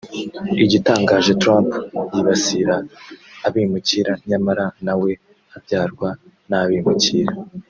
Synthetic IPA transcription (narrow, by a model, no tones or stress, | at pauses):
iɟitaːŋɡaːʒe̞tɾampɟiβasiɾaː | βimuciɾaɲamaɾanawe̞ | avjaːɾɡwa | naβimuciːɾa